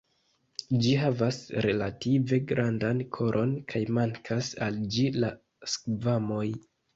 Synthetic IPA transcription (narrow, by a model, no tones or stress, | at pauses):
d͡ʒiɦavasɾe̞lative̞ɡɾʔandankʰo̞ɾʔo̞nkʰajmaŋkʰasald͡ʒila | skvamo̞j